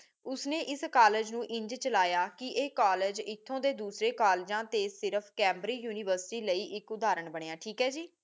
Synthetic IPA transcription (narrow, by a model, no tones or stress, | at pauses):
ʊsneːʔɪskaːleːd͡ʒnũːʔɪ̃ɲd͡ʒt͡ʃəlaːjaːkɪʔeːkaːleːd͡ʒɪt̪ʰːõːd̪eːd̪uːsɾeːkaːld͡ʒãːt̪eːsɪɾəpʰkɛ̃ːmbɾiːjuːnɪːʋəɾsɪ̥ʈiːləiːʔɪkʊd̪aːɾəɳbəɳeːaːʈʰiːkɦɛːd͡ʒiː